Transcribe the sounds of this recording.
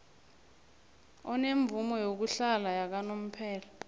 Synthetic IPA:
ɔneɱb̪vumɔjok̬uɬalajak̬anom̩pʰɛːla

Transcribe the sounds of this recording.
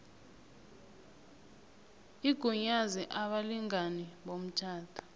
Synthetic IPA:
iɡ̥ʱuɲaziʔaɓaliŋaniɓom̩t͡ʃʰaːtʰʼḁ

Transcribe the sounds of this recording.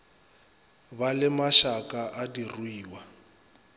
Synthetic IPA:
balɪmaʃakʼaʔadiruiːwa

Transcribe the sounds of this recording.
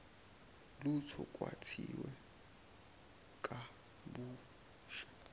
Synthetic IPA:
lut͡sʰɔkʼwa̰tʰiwɛ | kʼa | buː | ʃḁ

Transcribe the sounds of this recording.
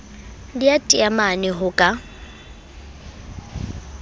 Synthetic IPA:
diatʼiamanɪɦʊkʼa

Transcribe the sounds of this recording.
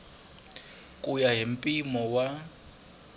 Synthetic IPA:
kʼujaɦim̩pʼimɔwa

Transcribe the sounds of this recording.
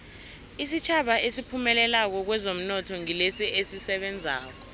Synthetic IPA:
is̬it͡ʃʰaɓaʔesipʰumɛlɛlak̬ɔk̬wɛzom̩nɔtʰɔŋilesiʔesisɛɓɛnd͡zʱa̰ːk̬ɔ̥

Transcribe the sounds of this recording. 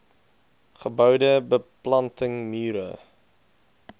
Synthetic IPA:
χəbœwdəbəplɐntəŋmyːɾə̰

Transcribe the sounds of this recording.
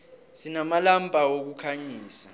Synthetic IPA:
sinamalampʼawok̬ukʰaɲiːsa

